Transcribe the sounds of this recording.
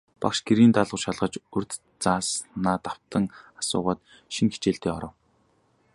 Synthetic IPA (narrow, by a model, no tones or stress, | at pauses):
pa̰kʃɡ̥eɾiːnt̪aɮʁə̆wʃaɮʁə̆t͡ɕɵrʲt̪ | t͡saːsnaːt̪aw̥t̪ə̆ŋasʊ̰ːʁaːt̪ | ʃiŋxe̥t͡ɕeːɬt̪eːɔɾɞ̆w